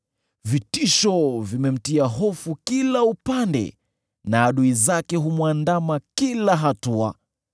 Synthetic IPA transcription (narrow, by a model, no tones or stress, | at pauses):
vitiʃɔvimɛm̩tiaɦɔfukilaupandɛ̰ | naːɗuizakɛɦumwandamakilaɦatua̰